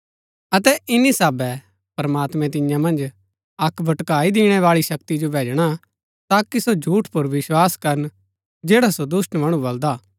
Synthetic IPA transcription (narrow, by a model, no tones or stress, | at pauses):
ɐt̪ɛʔɪnːisaːbɛ | pɾɐmaːt̪mɛ̃t̪ɪ̃jãmɐ̃nd͡ʒ | ɐkʰbʱɐʈkaːid̪ɪːɽ̃ɛʋaːɭiʃɐkt̪id͡ʒobʱeːd͡ʒɽ̃a | t̪aːkisod͡ʒʱuːʈʰpʊɾʋɪʃwaːskɐɾən | d͡ʒeːɽasod̪ʊsʈmɐɽ̃ũbɐld̪aː